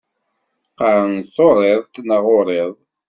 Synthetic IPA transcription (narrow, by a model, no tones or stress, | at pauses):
qəɾənθoɾˤeðˤt̪ːnəʁoɾˤeðˤ